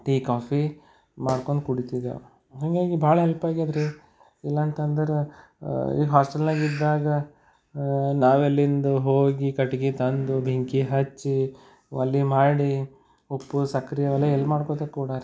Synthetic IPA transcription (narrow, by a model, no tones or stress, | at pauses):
ʈiːkaːpʰi | maːɽko̞ɳd̪kuɽit̪id̪ɐ̰ | ɦaːŋɡaːɡibʱaːɭɐɦɛlpaːɡiad̪ɾe | ilːɐnt̪ɐnd̪ɐɾe | ḭːɡɦaːsʈɐlnaːɡid̪ːaːɡɐ | naːʋelːind̪uɦoːɡikɐʈiɡit̪ɐnd̪ubʱiŋkiɦɐt͡ʃːi | ɐ̰lːimaːɽi | opːusɐkɾijɐʋɐlːeɛlːmaːɽkot̪ɐkːuːɽaɾ